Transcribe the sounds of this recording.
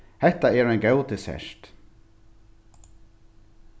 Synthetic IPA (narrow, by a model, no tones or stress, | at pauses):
hɛht̪aɛɾajnɡɛwt̪ɪsɛ̰ʃt̪